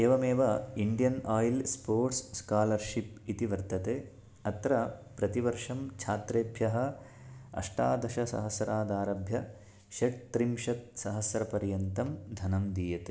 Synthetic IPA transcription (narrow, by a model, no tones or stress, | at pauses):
eːʋɐmeːʋɐiɳɖijɐnaːjilspoːɾʈsskaːlɐɾʃipit̪iʋɐɾt̪ɐt̪eː | ɐt̪ɾɐpɾɐt̪iʋɐɾʂɐmt͡ʃʰaːt̪ɾeːbʱjɐɦɐ̆ | ɐ̰ʂʈaːd̪ɐʃɐsɐ̰ɦɐsɐɾaːd̪aːɾɐbʱjɐ | ʃɐʈ̚t̪ɾimʃɐt̪̚sɐɦɐsɾɐpɐɾjɐnt̪ɐmd̪ʱɐnɐmd̪iːjɐt̪e